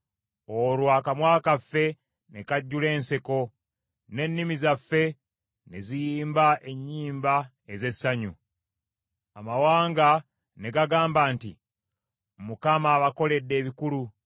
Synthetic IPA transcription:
oɾwakamwaːkafːe̞ | ne̞kaɟːule̞ːnseko̞ | ne̞nːimizafːe̞ | nezijiːmbaʔe̞ɲːiːmba | eze̞sːaɲu | amawaːŋɡa | ne̞ɡaɡaːmbaːnti | mukamaːβako̞le̞dːe̞ːβikulu

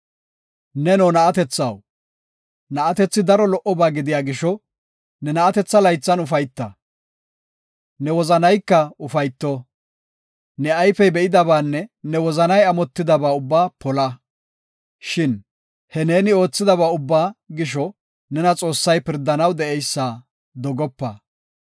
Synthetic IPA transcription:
nɛnɔːnɐɐt̪ɛt͡sːɐ̰w | nɐʔɐt̪ɛt͡sːɪd̪ɐɾɔlɔʔɔbaːɡɪd̪ɪjaːɡɪʃɔ | nɛnɐɐt̪ɛt͡sːɐlɐjt͡sːɐnʊfɐjt̪ːɐ̰ | nɛwɔzɐnɐjkːɐʊfɐjt̪ːɔ | nɛajfɛbɛɪd̪ɐbaːnːɛnɛwɔzɐnɐjɐmɔt̪ːɪd̪ɐbaːʊbːaːpɔlɐ | ʃɪn | hɛne̞ːnɪo̞ːt͡sːɪd̪ɐβaːʊbːaːɡɪʃ̬ɔ | nɛnɐt͡sʼo̞ːsːɐjpɪɾd̪ːɐnɐwd̪ɛʔɛjsːaː | d̪ɔɡɔpːɐ

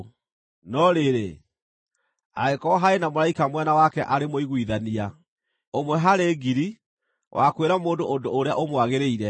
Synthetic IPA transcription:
nɔɾeɾḛ | a̰ekɔɦaenamoɾaikamwɛnawakɛʔaɾemoiɣwiðania | omwɛɦaɾeːɡiɾi | wʔakweɾamoːndoːndoːɾeaʔomwaɣeɾeiɾɛ

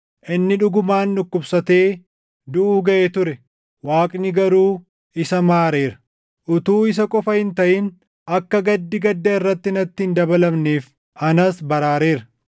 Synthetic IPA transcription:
ʔɪnːɪᶑʊɡʊmaːnːʊkːʊbsɐt̪eː | d̪ʊʔuːɡɐʔeːt̪ʊɾɛ | waːkʼnɪɡɐɾuː | ɪsɐmaːɾeːɾɐ̥ | ʔʊt̪uːɪs̬ɐkʼɔfɐhɪnt̪ɐʔɪn | ʔɐkːɐɡɐd̪ːɪɡɐd̪ːɐɪrːɐt̪ːɪnɐt̪ːɪɪnd̪ɐbɐlɐbneːf | ɐnɐsbɐɾaːɾeːɾɐ

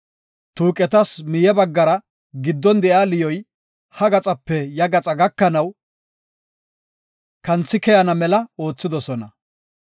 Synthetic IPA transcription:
t̪uːkʼɛt̪ɐsmɪjɛbɐɡːɐɾɐ | ɡɪd̪ːɔnd̪ɛʔaːlɪjɔj | hɐɡɐt͡sʼɐpːɛjɐɡɐt͡sʼɐɡɐkːɐnɐw | kɐnt͡sːɪkɛjɐnɐmɛlɐo̞ːt͡sːɪd̪ɔsɔnɐ

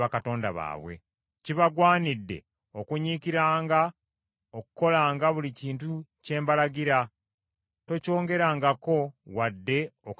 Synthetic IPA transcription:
akato̞ːndaβa̰ːβwe̞̰ | ciβaɡwaːnidːe̞̰ | o̞kuɲikiɾaːŋɡa | okuko̞laːŋɡaβuliciːntuce̞ːmbalaɡiɾa | to̞co̞ːŋɡe̞ɾaːŋɡako̞wadːe̞ok

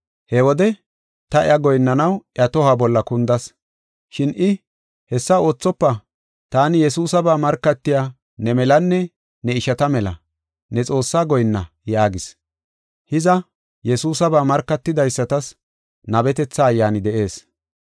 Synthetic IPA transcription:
hɛwɔd̪ɛ | t̪ɐʔɪɐɡɔjnːɐnɐwʔɪɐt̪ɔhɐbɔlːɐkʊnd̪ɐs | ʃɪnʔɪ | hɛsːɐo̞ːt͡sːɔpːɐ | t̪aːnɪjɛsuːsɐbaːmɐɾkːɐt̪ːɪjaː | nɛmɛlɐnːɛ | nɛɪʃɐt̪ɐmɛlɐ̰ | nɛt͡sʼo̞ːsːaːɡɔjnːɐ | jaːɡɪs | hɪzɐ | jɛsuːsɐbaːmɐɾkːɐt̪ːɪd̪ɐjsːɐt̪ɐs | nɐbɛt̪ɛt͡sːaːjːaːnɪd̪ɛʔe̞ːs

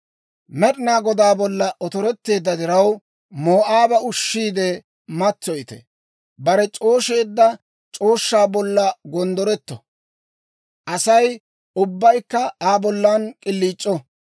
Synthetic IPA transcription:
mɛɗɪnaːɡɔd̪aːbɔlːɐʔɔt̪ɔɾɛt̪ːe̞ːd̪ːɐd̪ɪɾɐw | moːʔaːbɐʊʃːiːd̪ɛ | mɐt͡sːɔjt̪ɛ̰ | bɐɾɛt͡ʃʼo̞ːʃe̞ːd̪ːɐ | t͡ʃʼo̞ːʃːaːbɔlːɐɡɔnd̪ɔɾɛt̪ːɔ | ʔɐsɐj | ʊbːɐjkːɐaːbɔlːaːnkʼɪlːiːt͡ʃʼːɔ

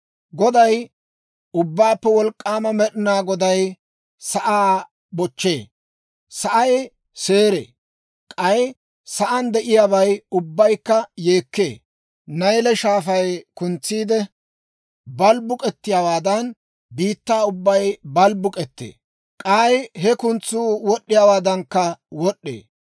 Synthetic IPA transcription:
ɡɔd̪ɐj | ʊbːaːpːɛwɔlkʼːaːmɐmɛɗɪnaːɡɔd̪ɐj | sɐʔaː | bɔt͡ʃːe̞ː | sɐʔɐj | seːɾḛː | kʼɐj | sɐʔɐnd̪ɛʔɪjaːβɐjʊbːɐjkːɐje̞ːkːḛː | nɐjlɛʃaːfɐjkʊnt͡sːiːd̪ɛ | bɐlbʊkʼɛt̪ːɪjawaːd̪ɐn | biːt̪ːaːʊbːɐjbɐlbʊkʼɛt̪ːḛː | kʼaːjɦɛkʊnt͡sːuːwɔɗːɪjaːwaːd̪ɐŋkːɐwɔɗːḛː

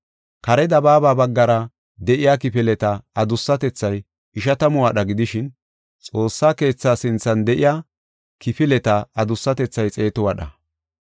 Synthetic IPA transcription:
kɐɾɛd̪ɐbaːbaːbɐɡːɐɾɐ | d̪ɛʔɪjaːkɪfɪlɛt̪ɐɐd̪ʊsːɐt̪ɛt͡sːɐj | ɪʃɐt̪ɐmʊwɐɗɐɡɪd̪ɪʃɪn | t͡sʼo̞ːsːaːke̞ːt͡sːaːsɪnt͡sːɐnd̪ɛʔɪjaː | kɪfɪlɛt̪ɐɐd̪ʊsːɐt̪ɛt͡sːɐjt͡sʼe̞ːt̪ɔwɐɗɐ

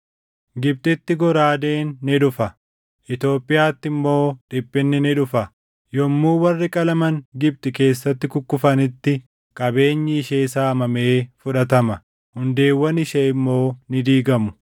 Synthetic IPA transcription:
ɡɪb̚t̪ʼɪt̪ːɪɡɔɾaːd̪e̞ːnːɪᶑʊfɐ | ʔɪt̪o̞ːpʼːɪjaːt̪ːɪmːo̞ːᶑɪpʼːɪnːɪnɪᶑʊfɐ | jɔmːuːwɐrːɪkʼɐlɐmɐŋɡɪb̚t̪ʼɪke̞ːsːɐt̪ːɪkʊkːʊfɐnɪt̪ːɪ | kʼɐbe̞ːɲːɪːʃeːɪsaːɐmɐme̞ːfʊᶑɐt̪ɐmɐ | hʊnd̪e̞ːwːɐnɪʃeɪmːo̞ːnɪd̪iːɡɐmʊ̥

